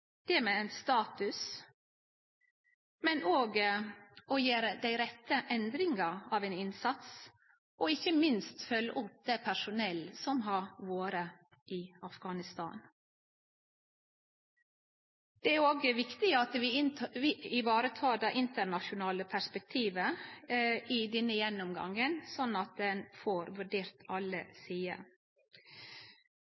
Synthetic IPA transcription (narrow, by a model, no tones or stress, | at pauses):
d̪̥ɛmeɛnst̪ɑːt̪ʉs | mɛnʔoːɡ | ɔjeːɾd̪æɪɾɛt̪ːəʔɛnd̪ɾɪŋəɑːʋenɪnsɑt̪s | ʔɔɪçəmɪnst̪fœlːə̰ʔʊp̚d̪̥ɛpʰæʂʊnɛlsɔmɦɑɾʋoːɾə | ʔɪɑfɡɑːnɪst̪ɑ̰ːn | d̪̥ɛæɾoːɡəʋɪkt̪ɪɑt̪ʋɪʋɪɪʋɑːɾət̪ʰɑːd̪ɑːʔɪnt̪əɾɳɑʃʊnɑːləpʰæʂpɛk̚t̪ʰiːʋə | ʔɪd̪ɛnːəjɛnɔmɡɑ̰ŋənsɔnːɑt̪̚d̪ɛnfoːɾʋʉɖeːɾt̪ʰɑlə̰siːə̰